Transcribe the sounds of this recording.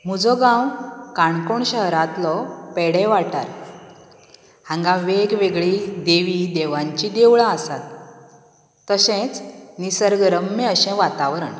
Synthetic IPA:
m̤ud͡zɔɡãwkaɳkoɳɕəɦɾat̪lɔpɛɽɛ̃ʋaʈa̰ɾ | hãŋɡaʋeɡʋeɡɭid̪eʋid̪eʋãɲt͡ɕid̪eʋɭãəsat̪ | əɕɛ̃t͡snisəɾɡəɾəmːɛ̃əɕɛ̃ʋat̪aʋɾəɳ

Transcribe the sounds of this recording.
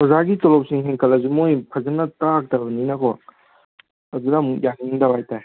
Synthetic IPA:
pɔzaɡitɔlɔp̚siŋɦeŋkʰɐlɐzumojpʰɐzɐnɐtak̚tɐbɐninɐkʰɔ | ɐdudamukjaŋiŋdabajtaj

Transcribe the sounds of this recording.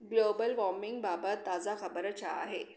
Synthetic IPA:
ɡlobəlʋɔmiŋɡ̚babət̪ːad͡zaxəbəɾt͡ɕʰaa̰ɦe

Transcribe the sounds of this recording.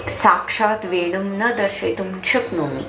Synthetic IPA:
sakʂat̪ʋeɽ̃umnəd̪əɾʃet̪umt͡ɕʰəknomḭ

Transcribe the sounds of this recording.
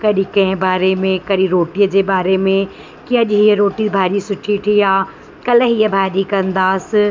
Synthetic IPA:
kɐɗikɐ̃ɦɪ̃baːɾemẽkɐɗiɾoːʈiːəd͡ʑeːbaːɾemẽ | kiɐʄɦiːəɾoːʈibʱaːɾisʊʈʰiʈʰiaː | kɐlɦiːəbʱaːɗikɐ̃nd̪aːsɪ̆

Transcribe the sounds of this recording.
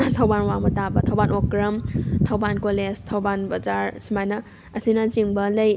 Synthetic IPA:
tʰɐwbanwaŋbɐtabɐtʰɐwbanʔokɾɐmtʰɐwbankoleztʰɐwbanbɐzaɾsimajnɐ | ɐsinɐziŋbɐlɐj

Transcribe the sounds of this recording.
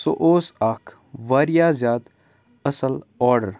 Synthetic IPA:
so̰ʔoːsaːkʰ | ʋaːɾijaːzjaːd̪ | ɐsəlɔːɾɖəɾ

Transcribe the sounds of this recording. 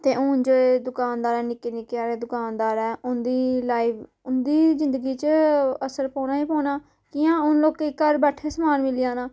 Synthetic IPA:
t̪eːʔʊːnd͡ʒoːeːd̪ʊkaːnd̪aːɾɛːnɪkːeːnɪkːeaːɾeːd̪ʊkaːnd̪aːɾɛːʔʊnd̪iːlaːiːʋ | ʊnd̪iːzɪ̃nd̪əɡiːt͡ʃəəsəɾpɔ̃ːnaːiːpõːnaː | kɪjãːʊnloːkekəɾbəʈʰeːsmaːnmɪlijãːnaː

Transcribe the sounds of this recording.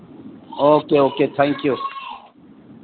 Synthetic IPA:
oːkeoːket̪ʰãŋkju

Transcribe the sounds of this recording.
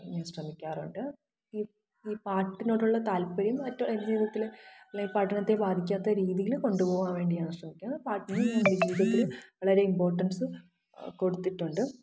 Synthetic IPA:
ɲɐʂrɐmikʲːaːruɳɖɨ | i | iːpaːʈːinoːɽuɭːɐt̪aːlpɐɾjumɐtːɐɾɾiːðjɐt̪ːilɐleŋɡilpɐʈːɐnɐt̪ːe̞baːd̪ʱikʲːaːt̪ːɐɾiːðijilko̞ɳɖupo̞ːɣaːnʋe̞ːɳɖijaːɳʂrɐmikʲːunːɐpaːʈːɐnɐʋiɾiːðɐt̪ːilʋɐɭɐɾe̞impo̞ːrʈːɐnsɨ | ko̞ɽut̪ːiʈːuɳɖɨ

